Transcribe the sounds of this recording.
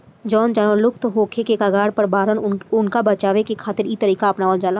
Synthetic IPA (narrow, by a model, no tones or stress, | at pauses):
d͡ʒɔːnd͡ʒanəlʊkʰt̪ɦoːkʰekekaɡaːɽpɐɾbaːɾənʊnkabɐt͡ʃaːʋekekʰaːt̪ɪɾiːt̪əɾiːkaɐpnaːʋəld͡ʒaːlaː